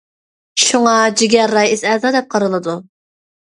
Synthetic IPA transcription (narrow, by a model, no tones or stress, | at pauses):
ʃuŋɑd͡ʒiɡʲɛɾːɑjɪsɛzɑːd̪ɛp̚qʰɑɾɨlˠɨd̪u